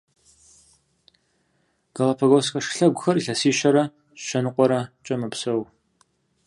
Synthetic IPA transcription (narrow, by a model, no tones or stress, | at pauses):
ɡ̥ɐlɐpʰɐɣoskʼɐʂɬɐɡʷʊxɐriɬɐsiːɕɐɾɐ | ɕɕɐnɨqʷʼɔɾɐt͡ʃʼɐmɨpsɐw